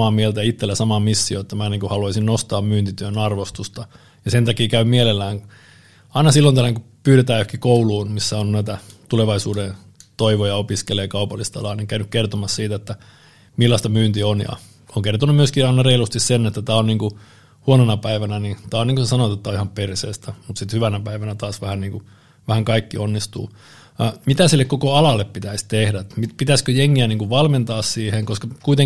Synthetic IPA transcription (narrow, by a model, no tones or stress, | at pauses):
ɑːmielt̪æjit̪ːelːæsɑmɑːmisːioet̪ːæmæniːŋkuhɑluɑisinnost̪ɑːmmyːnt̪it̪yønɑrʋost̪ust̪ɑ | jɑsent̪ɑkiːkæymielelːæːŋ | ɑinɑsilːont̪ælækupyːɾet̪æːøhkikouluːnmisːæonnæit̪æt̪uleʋɑisuːden | t̪oiʋojɑopiskeleːkɑupɑlːist̪ɑ̰lɑːniŋkæynykkert̪omɑssiːt̪æet̪ːæ | milːɑst̪ɑmyːnt̪ionjɑ̰ | oŋkert̪onummyøskiɑinɑreilust̪issenet̪ːæt̪æːonniːŋku | huonenɑpæiʋænænit̪æːoniːŋkusesɑnoet̪et̪ːæoihɑmpersḛːst̪æmut̪sit̪hyʋænæpæiʋænæt̪ɑːsʋæhænniːŋku | ʋæhæŋkɑikːionːist̪ṵː | mit̪æsilːekkokoɑlɑlːeppit̪æist̪ehdæmipit̪æskøjeŋːiæniːŋkuʋʋɑlment̪ɑːssiːheŋkoskɑkuit̪eŋ